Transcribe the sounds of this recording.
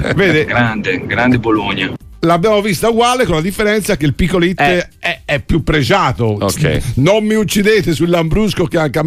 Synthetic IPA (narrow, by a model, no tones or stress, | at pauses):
veːd̪eɡɾand̪eɡɾand̪eboloɲːa | labːjaːmovist̪auɡwaːlekolad̪ifːeɾɛnt̪sak̟ːeilpikːolit̪ː | ɛɛpːjupːɾed͡ʒaːt̪ookʰɛ̰nomːiut͡ʃːid̪eːt̪esuilːambɾuskok̟eaŋka